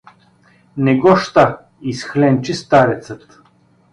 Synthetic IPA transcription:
nɛɡɔʃt̪a | isxlɛnt͡ʃist̪aɾɛt̪sət̪

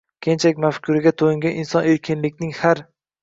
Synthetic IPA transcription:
kʲʰent͡ʃʰakʲmafkʲʰʊɾɪɡʲat̪ʰoɪŋɡʲanɪnsɒneɾkʲʰɪnlɪkʲnɪŋhaɾ

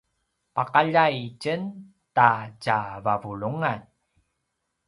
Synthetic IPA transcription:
paqaʎajt͡ɕən | tacavavuɭuŋan

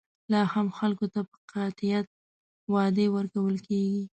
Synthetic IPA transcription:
lɑhamxalkot̪apə̥qɑt̪ɪjat̪̚ | wɑd̪ewəɾkawəlkeɡi

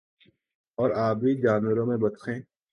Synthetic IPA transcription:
ɔːɾaːbiːd͡ʒaːnwəɾõːmẽbət̪xʰẽː

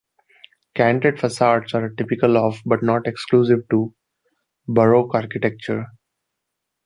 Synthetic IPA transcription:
kæ̃ɳɖʈeɖfəsaːɾʈsaːɾʈɪpɪkəlɔːfbʌʈnɔːʈekskluːsɪʋʈu | bəɾoːkaːɾkɪʈek̚t͡ʃəɾ

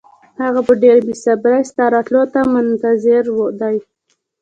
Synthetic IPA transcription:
haɣapəɖeɾbisabɾast̪aɾɑt̪lot̪amʊnt̪azɪɾwəd̪aj

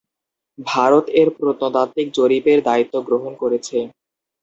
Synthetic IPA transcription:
bʱaɾot̪eɾpɾot̪not̪at̪ːik̚d͡ʑoɾibeɾd̪ait̪ːoɡɾoɦonkoɾet͡ɕʰe

